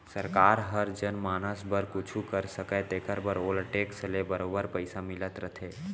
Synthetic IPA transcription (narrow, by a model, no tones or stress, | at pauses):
sɐɾkaːɾɦəɾd͡ʒənmaːnəsbəɾkʊt͡ʃʰukəɾsəket̪eːkʰəɾbəɾoːlʈeːksəlebəɾoːbəɾpɐɪsamɪlət̪ɾət̪ʰeː